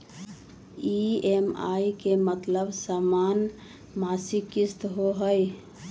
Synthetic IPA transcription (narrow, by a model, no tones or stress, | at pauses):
iema̰ikemət̪ləbsaman | masikist̪ɦoɦəj